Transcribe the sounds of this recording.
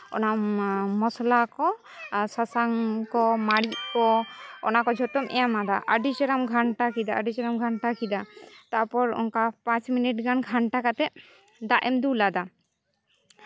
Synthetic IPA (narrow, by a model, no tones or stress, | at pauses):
ɔ̰namɔslakɔ | sasaŋkɔmaɽiʔ̚kɔɔ̰nakɔd͡ʒʱɔt̪ɔmʔɛjamad̪aʔəɖit͡ʃɔɾamɡʱaɳʈakid̪aaɖit͡ʃɔɾamɡʱaɳʈakʰid̪at̪aɾpɔɾɔ̰ŋkapãt͡ʃminiʈɡanɡʱaɳʈakat̪ɛ | d̪aʔɛmd̪ulad̪a